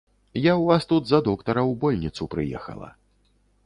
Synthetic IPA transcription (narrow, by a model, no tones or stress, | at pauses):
jawvast̪ud̪zɐd̪ɔkt̪ɐɾɐwbɔlʲnʲit̪supɾɨjɛ̰xɐ̰lˠɐ̰